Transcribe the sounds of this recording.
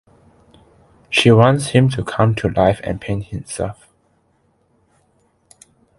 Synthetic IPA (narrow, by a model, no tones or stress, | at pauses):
ʃiwɔ̃nshĩmtʰukʰãmtʰulaɪfɛ̰̃npʰẽnhĩmsɛ̰lf